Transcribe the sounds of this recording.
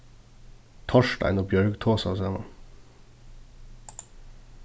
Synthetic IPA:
t̪ʰɑʃʈæ̰ɪnoːbjœɹɡt̪ʰoːsɑ̰sæmɑ̰

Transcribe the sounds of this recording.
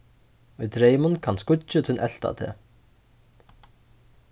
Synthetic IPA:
ʊjt̪ɾeːjmʊnkʰanskʊt͡ʃɪt̪ʰɪnʔɛl̥t̪a̰t̪ʰɛ̰ː

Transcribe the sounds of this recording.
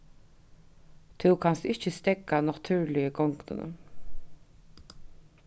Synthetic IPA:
t̪ʰʉwkʰanst̪ɪçəst̪ɛɡanat̪ʰʉːɹlɪəɡɔŋknə̰nə̰

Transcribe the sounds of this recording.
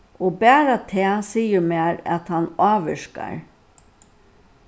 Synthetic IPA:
oːbæːɾat̪ʰɛːsiːəɾmɛːɾa̰t̪hɑnɑːʋəʂka̰ɹ

